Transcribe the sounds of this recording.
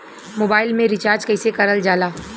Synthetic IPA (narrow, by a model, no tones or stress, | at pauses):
moːbaːɪlmẽɾɪt͡ʃaːɾd͡ʒkɐɪsekɐɾəld͡ʒaːlaː